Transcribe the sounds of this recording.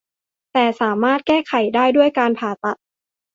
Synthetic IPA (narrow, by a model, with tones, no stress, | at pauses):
t̪ɛː˨˩saː˩˦maː˥˩t̪̚kɛː˥˩kʰa˨˩˦jdaː˥˩jdu˥˩əjkaː˧npʰaː˨˩˦t̪a˨˩t̪̚